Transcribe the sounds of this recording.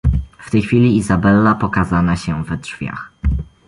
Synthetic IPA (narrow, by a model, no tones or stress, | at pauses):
ft̪ɛjxfʲilʲiizabɛlːapɔkazanaɕɛvɛdʐ̥vʲja̰x